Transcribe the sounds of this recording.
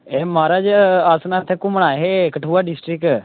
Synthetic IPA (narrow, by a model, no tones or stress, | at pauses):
eːmaːɾaːd͡ʒaːsnat̪ʰːeːkʊmɽaːɦeːkəʈʰuːaːɖɪsʈɾɪk